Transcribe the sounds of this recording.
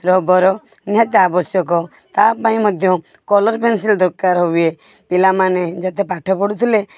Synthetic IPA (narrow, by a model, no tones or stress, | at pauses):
ɾɔbɔɾɔ | njat̪abɔsjɔk̬ɔ | t̪apaĩmɔd̪ʱjɔ | kɔlɔɾpensild̪ɔɾkːaɾɦɔie | pilamaned͡ʒat̪epaʈʰɔpɔɽut̪ʰile